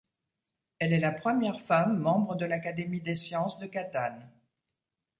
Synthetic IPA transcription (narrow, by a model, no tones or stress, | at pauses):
ɛlɛlapχəmjɛʁfamːɑ̃bʁəd̪əlakad̪emid̪esjɑ̃sd̪əkat̪an